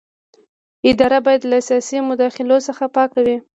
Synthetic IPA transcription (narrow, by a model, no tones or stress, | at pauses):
ɪd̪ɑɾabɑjad̪lasiɑsimʊd̪ɑxɪlosəxapɑkawi